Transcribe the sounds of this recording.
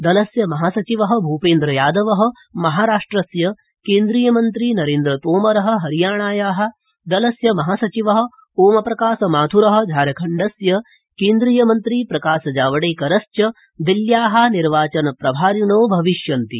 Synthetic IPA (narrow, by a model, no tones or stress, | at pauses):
d̪ɐlɐsjɐmɐɦaːsɐt͡ʃiʋɐɦɐ̆bʱuːpeːnd̪ɾɐjaːd̪ɐʋɐɦɐ̆ | mɐɦaːɾaːʂʈɾɐsjɐ | keːnd̪ɾiːjɐmɐnt̪ɾiːnɐɾeːnd̪ɾɐt̪oːmɐɾɐɦɐ̆ɦɐɾijaːɳaːjaːɦɐ̆ | d̪ɐlɐsjɐmɐɦaːsɐt͡ʃiʋɐɦɐ̆ | oːmɐpɾɐkaːsɐmaːt̪ʰuɾɐɦɐ̆d͡ʒ̪ʱaːɾɐkʰɐɳɖɐsjɐ | keːnd̪ɾiːjɐmɐnt̪ɾiːpɾɐkaːsɐd͡ʒaːʋɐɽeːkɐɾɐst͡ʃɐ | d̪iljaːɦɐniɾʋaːt͡ʃɐnɐpɾɐbʱaːɾjunoːbʱɐʋiʃjɐnt̪ḭ